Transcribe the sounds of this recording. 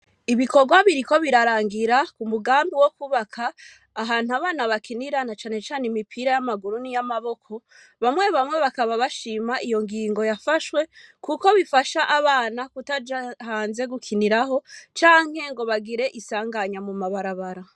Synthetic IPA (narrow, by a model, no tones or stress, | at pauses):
iβiko̞ɡwaβiɾiko̞βiɾaɾaːŋɡiɾakumuɡaːmbiwo̞kuβakʰaː | ɦaːn̥uaβaːnaβakʰiniɾanat͡ʃaːne̞t͡ʃaːnemipʰiɾajamaɡuɾunijamaβo̞kʰo̞ | βamŋe̞βamŋe̞βakaβaβaʃiːmaʔijo̞ŋɡiːŋɡo̞jafaʃwe̞kuko̞βifaʃaʔaβaːnakutad͡ʒahaːnze̞ɡukʰiniɾaɦo̞t͡ʃaːŋ̥he̞ŋɡo̞βaɡiɾe̞ʔisaːŋɡaɲamumaβaɾaβaɾa